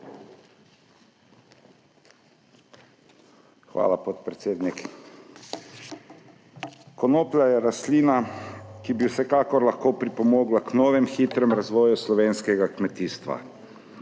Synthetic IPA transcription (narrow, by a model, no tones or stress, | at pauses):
xʋa̰ːlapot̪pɾɛt̪seːd̪nik | kɔnoːplajɛɾasliːnakibiwsɛkaːkɔɾlaxkoːpɾipɔmoːɡlaknɔːʋɛmxiːt̪ɾɛmɾazʋɔːjuslɔʋeːnskɛɡakmɛt̪iːst̪ʋa̰